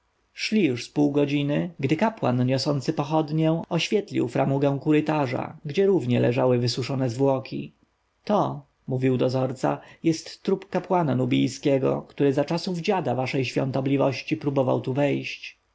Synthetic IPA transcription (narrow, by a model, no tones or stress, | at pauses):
ʂlʲijuʂspuwɡɔd͡ʑinɘɡd̪ɘkapwa̰nɲɔsɔnt̪sɘpɔxɔd̪ɲɛ̃ɔɕfʲjɛt̪lʲḭwfɾamuɡɛ̃w̃kuɾɘt̪aʐa̰ɡd͡ʑɛɾuvɲɛlɛʐawɘvɘsuʂɔnɛzvwɔkʲʰḭ | t̪ɔ | muvʲiwd̪ɔzɔɾt̪sa̰jɛst̪ːɾupkapwananubʲḭjskʲɛɡɔ̰kt̪uɾɘzat͡ʂasuvd͡ʑad̪avaʂɛjɕfʲjɔ̰nt̪ɔblʲivɔɕt͡ɕipɾubɔva̰wt̪uvɛjɕt͡ɕ